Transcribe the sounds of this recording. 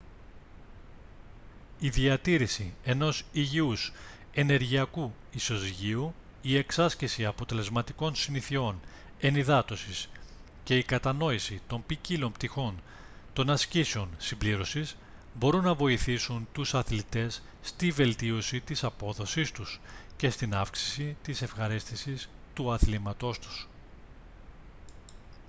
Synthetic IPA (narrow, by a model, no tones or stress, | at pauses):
iðiɐt̪iɾisie̞no̞siʝius | e̞ne̞ɾʝiɐku | iso̞ziʝiu | ie̞ksɐscesiɐpo̞t̪e̞le̞zmɐt̪iko̞nsiniθio̞n | e̞niðɐt̪o̞sis | ce̞ikɐt̪ɐno̞isit̪o̞mpicilo̞mpt̪ixo̞n | t̪o̞nɐsciseo̞nsimbliɾo̞sis | bo̞ɾunːɐvo̞iθisunt̪usɐθlit̪e̞sː | t̪ive̞lt̪io̞sit̪isɐpo̞ðo̞sist̪usce̞st̪inɐfksi̥sit̪ise̞fxɐɾist̪isist̪uɐθlimɐt̪o̞st̪u̥s